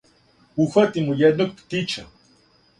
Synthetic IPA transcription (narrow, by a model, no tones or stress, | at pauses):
uxat̪imujɛnuk̚pt̪it͡ʃʰa